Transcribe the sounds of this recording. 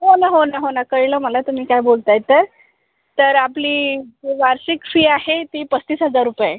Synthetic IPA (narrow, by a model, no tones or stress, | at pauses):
ɦonaɦonaɦonakəjləːməlat̪um̤iːkajbolt̪ajt̪ːəɾ | t̪əɾapliːd͡zeʋaɾɕikfiːaɦet̪iːpət͡st̪iːsɦəd͡zaɾːupja